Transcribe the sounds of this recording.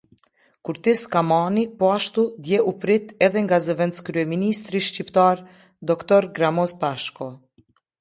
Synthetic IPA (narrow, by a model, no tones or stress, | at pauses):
kuɾt̪iskamanipɔaʃt̪ud̪jɛupɾit̪ɛðɛŋɡazəvɛnt̪skɾyɛminist̪ɾiʃcipt̪aɾ | d̪ɔkt̪ɔɾɡɾamɔspaʃkɔ